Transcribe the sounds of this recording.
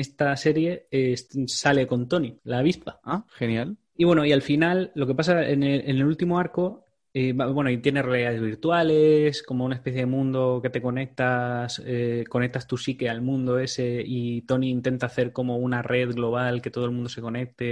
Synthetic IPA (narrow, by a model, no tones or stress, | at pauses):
est̪ase̞ɾje̞essale̞ko̞nt̪o̞nilaːβ̞ispaaxenjal | iβwe̞no̞ialfinalːo̞ke̞pasaḛneenelult̪imoaɾko̞ | ebabwe̞noit̪je̞ne̞realiðaðe̞zβiɾt̪wale̞sko̞mounaespeθjeemũnd̪o̞ke̞t̪e̞ko̞ne̞k̚t̪aseko̞ne̞k̚t̪ast̪usikealmũnd̪o̞e̞se̞it̪o̞niːnt̪e̞nt̪aθe̞ɾko̞mo̞unare̞ðɣlo̞β̞alket̪o̞ð̞olmũnd̪ose̞ko̞ne̞k̚t̪e̞